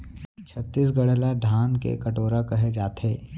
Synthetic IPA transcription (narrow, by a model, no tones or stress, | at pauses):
t͡ʃʰɐt̪ːiːs̬ɡɐɽəlaɖʱaːnkḛkɐʈoːɾakɐɦed͡ʒaːt̪eː